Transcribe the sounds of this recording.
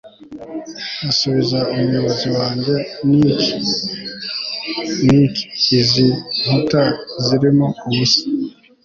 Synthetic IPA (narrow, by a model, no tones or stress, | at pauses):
asuβizaumujo̞βo̞ziwaːɲɟe̞nik | niki̥ːziŋ̥utaziɾimouβusi̥